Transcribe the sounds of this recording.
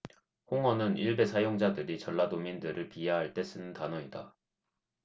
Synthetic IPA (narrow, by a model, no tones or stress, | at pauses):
hoŋʌnɯniɭbe̞sʰajoŋd͡ʑadɯɾit͡ɕʌɭːadomindɯɾɯɭpiaɦaɭt͈e̞s͈ɯnɯntanʌɲida